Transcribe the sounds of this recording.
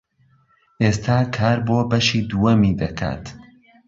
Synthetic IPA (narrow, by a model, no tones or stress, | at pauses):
ʔeːst̪ʰaːkʰaːɾboːbɐʃiːd̪uwɐmid̪ɐkʰa̰ːt̪